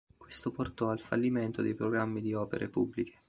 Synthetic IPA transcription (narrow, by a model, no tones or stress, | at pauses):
kwest̪oport̪ɔalfa̰lːiment̪od̪ejpɾoɡɾamːid̪iɔːpeɾʔḛpubːlike̥